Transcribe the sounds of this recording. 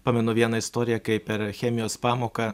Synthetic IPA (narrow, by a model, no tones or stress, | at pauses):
pɑːmʲɛnʊʋʲiɛnɐɪst̪oːɾʲɪjɛkɐɪpʲɛɾxʲɛmʲɪjoːspɑːmoːkɑ